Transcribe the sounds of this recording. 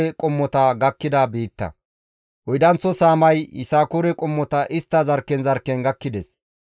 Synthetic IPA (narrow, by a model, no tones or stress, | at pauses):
ɛkʼɔmːɔt̪ɐɡɐkːɪd̪ɐbiːt̪ːɐ̰ | wɔjd̪ɐnt͡sːɔsaːmɐjɪ̰saːkʊɾɛkʼɔmːɔt̪ɐʔɪst̪ːɐzɐɾkːɛnzɐɾkːɛnɡɐkːɪd̪ɛs